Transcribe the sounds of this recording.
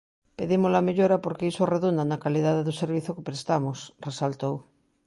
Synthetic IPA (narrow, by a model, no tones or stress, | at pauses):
peðimozlameʎoɾapoɾkeisoreðund̪anakaliðaðeðoseɾβiθokepɾest̪amosresalt̪ow